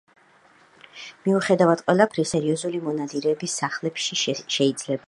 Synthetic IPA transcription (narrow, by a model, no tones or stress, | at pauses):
miuχɛd̪avad̪̥̚qʼwɛlˠapʰɾisɛɾiɔzulimɔnad̪iɾɛːbisːaχlɛpʃiʃɛid̪z̥lɛba